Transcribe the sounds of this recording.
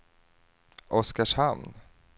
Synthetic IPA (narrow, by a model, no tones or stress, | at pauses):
ʔɔskaʂhamn